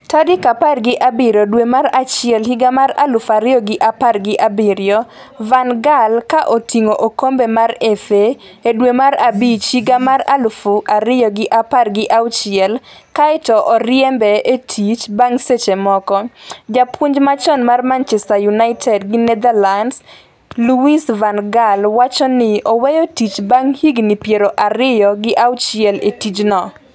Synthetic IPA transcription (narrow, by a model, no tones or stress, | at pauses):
tadɪkaparɡɪʔabɪɾodwemaɾat͡ʃɪɛlhiɡamaɾa̰lʊfaɾɪjɔɡɪʔaparɡɪʔabɪɾjɔ | vanɡalkaʔotʰiŋoʔokombemaɾefe | edwemaɾabit͡ʃhiɡamaɾalʊfʊʔaɾɪjɔɡɪʔaparɡɪʔaʊt͡ʃɪɛl | kaɪtɔʔɔɾjɛmbɛetʰit͡ʃbaŋset͡ʃemɔkɔd͡ʒapuɲd͡ʒmat͡ʃɔnmarmant͡ʃɛstajunaɪtʰɛdɡɪnɛd̪alands | luisvanɡalwat͡ʃɔnɪɔwejɔtit͡ʃbaŋhiɡnɪpjeɾoʔaɾɪjɔɡɪʔawt͡ʃɪɛletit͡ʃnɔ